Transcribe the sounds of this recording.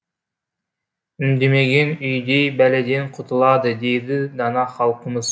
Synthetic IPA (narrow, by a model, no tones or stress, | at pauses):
ymd̪emeɡʲenyjd̪ejbæled̪enqʰʊt̪ʰulˠɑd̪ɨd̪ejd̪ɪd̪ɑnɑχɑlˠqəmɨz